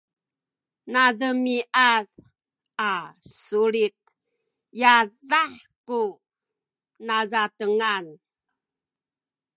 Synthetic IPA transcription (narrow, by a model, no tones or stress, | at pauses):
naðəmiʔað | asuɾit̪̚ | jaðaħku | nazatəŋan